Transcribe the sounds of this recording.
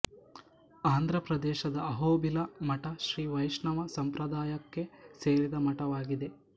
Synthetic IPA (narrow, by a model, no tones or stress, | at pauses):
aːnd̪ʱɾɐpɾɐd̪ɛːʃɐd̪ɐːɦoːbilɐmɐʈɐʃɾiːʋɐjʃɳɐʋɐsɐmpɾɐd̪aːjɐkːe̞seːɾid̪ɐmɐʈɐʋaːɡid̪e̞